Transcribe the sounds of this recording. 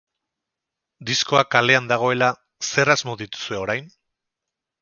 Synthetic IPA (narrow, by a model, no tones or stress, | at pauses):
d̪isko̞akale̞and̪aɣ̞o̞e̞la | se̞razmo̞ðit̪u̥sue̞oɾajn